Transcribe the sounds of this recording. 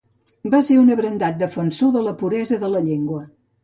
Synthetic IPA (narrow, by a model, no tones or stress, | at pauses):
baseunəβɾənd̪at̪̚d̪əfənsoðələpuɾɛzəðələʎeŋɡwə